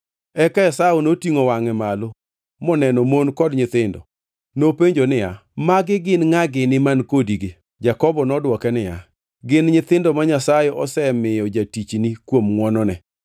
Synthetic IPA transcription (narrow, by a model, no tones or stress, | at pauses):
ɛkaɛsaonotiŋowaŋɛmalo | mɔnɛnɔmonkɔdɲɪt̪ɪndɔ̰ | nopeɲd͡ʒonɪjamaɡɪɡɪnŋaɡɪnɪmankodiɡe | d͡ʒakɔbɔnɔdwɔkɛnɪja | ɡɪnɲɪt̪ɪndɔmaɲasajɛʔɔsɛmɪjɔd͡ʒatit͡ʃnikwomŋwɔnɔnɛ